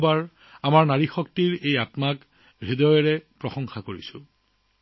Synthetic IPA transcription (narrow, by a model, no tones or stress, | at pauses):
baɹ | amaɹnaɹixɔk̚tiɹejatmak | ɹidɔjɔɹɛpɹɔxɔŋxakoɹḭsʊ̃